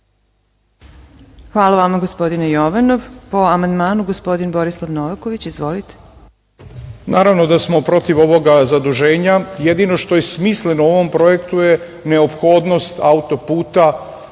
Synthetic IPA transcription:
xʋaːlˠaʋamaɡospo̞d̪inejo̞ʋano̞ʋpo̞amand̪maːnuɡospo̞d̪inbo̞ɾislˠaʋnoʋako̞ʋit͡ɕizʋolit̪e̥ | naːɾaʋno̞d̪asmo̞pɾo̞t̪iʋo̞ʋo̞ɡazad̪uʒe̞ːɲajed̪ino̞ʃt̪o̞jesmislenoo̞ʋo̞mpɾo̞jekt̪uje | ne̞opxoːd̪no̞st̪aut̪o̞puːt̪a

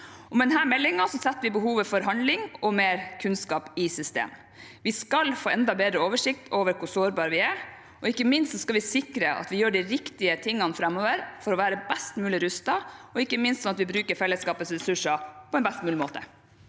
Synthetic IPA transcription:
ɔmɛd̪ɛnɦæːɾmɛlːɪŋɑsɔsɛt̪ːʋɪbəɦuːʋəfɔɾɦɑnlɪŋɔmeːɾkʰʉnskɑːpɪsʏst̪ḛːm | ʋɪskɑlfoːɛnd̪ɑbeːd̪ɾəoːʋəʂɪkt̪ʰoːʋəɾkʰʊsoːɾbɑːɾəʋɪæɾ | ʔɔɪkːəmɪnst̪sɔskɑlʋɪsɪkɾəʔɑ̰t̪ʋɪjøːɖɪɾɪkt̪ɪət̪ʰɪŋːɑnfɾɛmːoːʋəɾfɔɾɔʋæːɾəbɛst̪mʉːlɪɾʉst̪ɑɔɪkːəmɪnst̪sɔmɑt̪ʋɪbɾʉːkəɾfɛlːəskɑːpət̪sɾɛsʉʂɑpʰɔɛnbɛst̪mʉːlɪmoːt̪ə̰

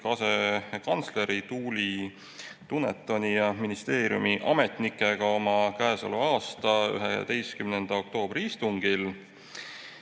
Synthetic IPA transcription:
kɑse̞kɑnt̪sle̞ɾit̪uːlʲi | t̪unet̪ːˑo̞nʲijɑminist̪e̞ːɾijṵmiʔɑme̞t̪ˑnikˑːe̞ɡ̥ɑo̞mɑkæesɑ̰luɑːst̪ɑy̰ɦeḛt̪e̞jskymnend̪̥ɑo̞k̚t̪o̞ːb̥riist̪uŋɡil

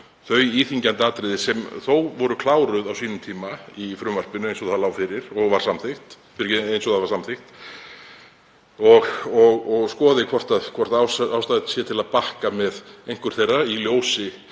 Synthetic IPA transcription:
θœɥiːθiɲcant̪aːt̪ɾɪðɪsɛmθowvɔɾʏkʰlaːwɾʏðawsiːnʏmt̪ʰiːmaifɾʏmvar̥pɪnʏejnsɔθalawfɪɾɪɾ̥ɔɣvaɾ̥samθɪxt̪ | fɪɾejnsɔθavaɾsamθɪxt̪ | ɔɣɔɣɔɣskɔːðɪkʰvɔr̥t̪aðkʰvɔr̥t̪awsawst̪aːðt̪sjɛt̪ʰɪlaðpahkamɛðejn̥kʏɾ̥θejrailjoːwsɪ

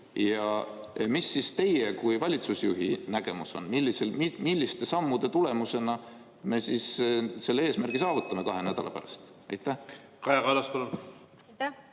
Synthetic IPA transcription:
jɑ | misːist̪e̞je̞kujvɑlʲit̪susjuɦinæɡ̥e̞muso̞̰nmilːiselmmilʲːist̪e̞sɑmːud̪̥e̞t̪ule̞muse̞nɑ | me̞sisse̞lːeeːsmærɡisɑːvut̪ːˑɑme̞kɑɦe̞næd̪̥ɑ̰lɑ̰pæ̰ɾɑ̰st̪ | ɑ̰jt̪ːˑæh | kɑjɑɡɑlɑspɑlun

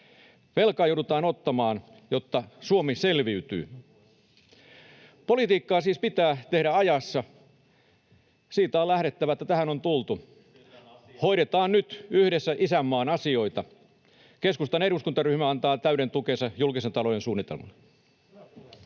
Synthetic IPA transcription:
ʋelkɑːjouɾut̪ɑːnot̪ːɑmɑːn | jo̞t̪ːɑsuomiselʋiyt̪y̰ː | po̞lit̪iːkːɑːsiːspit̪æːt̪e̞hɾæɑjɑsːɑ | siːt̪æolæhɾe̞t̪ːæʋæet̪ːæt̪æhænont̪ult̪u | ho̞iɾet̪ɑːnnyt̪yhdesːæʔisæmːɑːnɑsio̞it̪ɑ | keskust̪ɑneɾuskunt̪ɑryhmæɑnt̪ɑːt̪æyɾe̞nt̪ukensɑjulkisent̪ɑlojensuːnːˑit̪elmɑ̰l

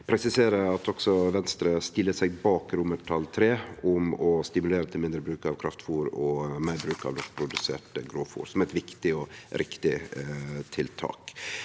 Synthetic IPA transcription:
pʰɾɛsɪseːɾəɑt̪ʰɔksɔʋɛnst̪ɾəst̪ɪlːəsɛɡbɑːkɾʊməʈʰɑlt̪ʰɾeːʊmɔst̪ɪmʉleːɾət̪ʰɪlmɪnd̪ɾəbɾʉːkɑʋkʰɾɑft̪fuːɾɔmæɪbɾʉːkɑ̰ʋd̪ɔkpʰɾʊd̪ʉsḛːʈəɡɾoːfṵːɾsɔmɛɪt̪ʋɪkt̪ɪɔɾɪkt̪ɪ | t̪ʰɪlt̪ʰɑ̰ːk

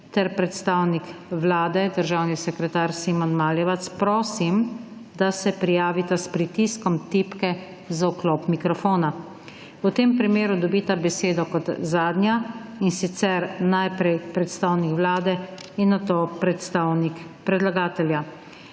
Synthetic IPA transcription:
t̪ɛɾpɾɛt̪st̪awnikʋlaːd̪ɛd̪əɾʒaːwnisɛkɾɛt̪aːɾsiːmɔnmaːljɛʋat̪spɾoːsim | d̪asɛpɾijaːʋit̪aspɾit̪iskɔmt̪ipkɛ | zaukloːpmikɾɔfoːna | ut̪eːmpɾimeːɾud̪ɔbit̪abɛseːd̪ɔkɔt̪zaːd̪nʲjainsit̪sɛɾnajpɾɛjpɾɛt̪st̪aːwnikʋlaːd̪ɛ | inːat̪oːpɾɛt̪st̪aːwnikpɾɛd̪laɡaːt̪ɛlja

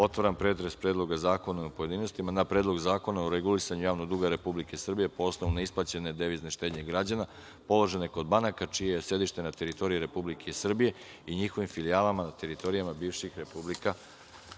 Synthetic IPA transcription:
o̞t̪ʋaɾanpɾe̞t̪ɾespɾed̪lˠo̞ɡazaːko̞naupoje̞d̪iːno̞st̪imanapɾe̞ːd̪lˠo̞ɡzaːko̞naoɾeɡulisaɲujaːʋnoɡd̪uɡaɾe̞publike̞sr̩bije̞po̞osno̞ʋunaisplˠat͡ɕe̞ne̞d̪eʋizne̞ʃt̪ed̪ɲe̞ɡɾad͡ʑana | po̞lˠo̞ʒe̞neko̞d̪̚banakat͡ʃijejesje̞d̪iʃt̪e̞nat̪e̞ɾit̪o̞ɾijiɾe̞publikʰeisr̩bije̞ | iɲixo̞ʋimfiliaːlˠamanat̪e̞ɾit̪o̞ɾijamabiːʋʃixɾe̞publika

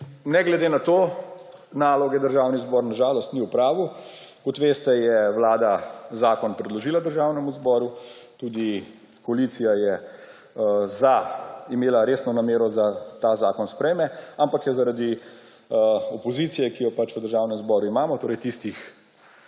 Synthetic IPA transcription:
nɛɡlɛd̪eːnat̪oː | naːlɔɡjɛd̪əɾʒawnizbɔːɾnaʒaːlɔst̪niwpɾaːʋu | kɔt̪ʋeːst̪ɛjɛʋlaːd̪azaːkɔnpɾɛd̪lɔʒiːlad̪əɾʒawnɛmuzbɔːɾut̪ud̪i | kɔalit̪sijajɛ | zaimeːlaɾeːsnɔnameːɾɔzat̪azaːkɔnspɾɛjmɛampakjɛzaɾad̪i | ɔpɔziːt̪sijɛkijɔpat͡ʃʋəd̪əɾʒaːwnɛmzbɔɾuimaːmɔt̪oːɾɛjt̪ist̪ix

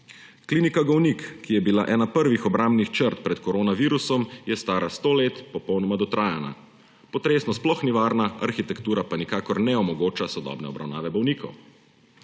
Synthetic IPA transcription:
kliːnikaɡɔwnikːijɛbila̰ʔɛːnapəɾʋixɔbɾambnixt͡ʃəɾt̪pɾɛt̪kɔɾoːnaʋiːɾusɔmjɛst̪aːɾast̪oːleːt̪pɔpɔwnɔmad̪ɔt̪ɾʔaːjana̰ | pɔt̪ɾeːsnɔsplɔxniʋaːɾnaa̰ɾxit̪ɛkt̪uːɾapanikaːkɔɾnɛɔmɔɡoːt͡ʃasɔd̪ɔ̰ːbnɛ̰ɔbɾa̰wna̰ːʋɛbɔwniːkʰɔw

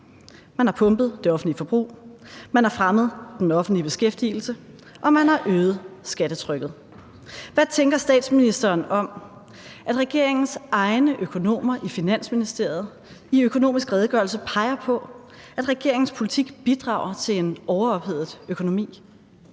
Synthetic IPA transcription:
mænhɑ̈pʰɔ̽mb̥ð̞̩ˠd̥e̝ɒ̽fn̩dlifɒ̽b̥ʁṵːmænæfʁaməð̞̩ˠd̥enɒ̽fn̩d̥lib̥e̝sɡ̥efd̥il̩sə | ʔɒ̽mænhɑ̈ʔøːð̞̩ˠsɡ̥æɾ̥ət͡sʰʁœɡ̥ð̩ˠ | ʋæt͡sʰeŋɡ̥ɐsd̥ɛ̰ːd̥sminisd̥ɐːnɒ̽m | ʔæd̥ʁɛɡ̥e̝ɐ̰e̝ŋn̩sɑ̈ɪnəʔøkʰo̝no̝̰ːmɐʔifinæn̰sminisd̥e̝ɐ̰ð̩ˠ | iøkʰo̝no̝̰ːmisɡ̥ʁɛːð̞ˠɡ̥ɶɐlsəpʰɑ̈ɪɐpʰɒ̽ | æd̥ʁɛɡ̥e̝ɐeŋn̩spʰo̝lit͡sʰiɡ̥b̥id̥ʁɑ̰̈ʊɐt͡sʰe̝le̝nɒʊɐɒ̽b̥heð̰ˠð̩ˠøkʰo̝no̝mḭː

